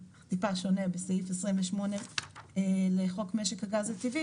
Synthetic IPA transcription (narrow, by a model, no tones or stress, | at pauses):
t̪ipaʃo̞nebeseifesʁimveʃmo̞neeleχo̞kmeʃekhaɡazet̪ivi